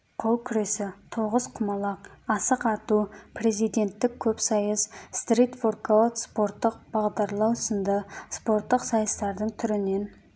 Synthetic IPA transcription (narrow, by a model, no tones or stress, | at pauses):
qʰo̞lˠkʲʰʏɾe̞sɪt̪ʰo̞ʁəzqʰʊmɑlˠɑqɑsəqɑt̪upʰre̞zijd̪e̞nt̪ːɪkʲʰɵpsɑjəsst̪rejt̪vorkolˠəspo̞ɾt̪ːəqb̥ɑʁd̪ɑɾlˠɑwsənd̪əspo̞ɾt̪ːəqsɑjəst̪ɑɾd̪əɴt̪ʰʏɾɪne̞n